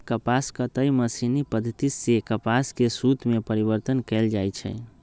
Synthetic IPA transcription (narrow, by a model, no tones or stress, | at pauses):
kəpaskət̪əjməsinipəd̪ʱːət̪isekəpaskesut̪mepəɾibəɾt̪ənkɛld͡ʒajt͡ʃʰɛ̰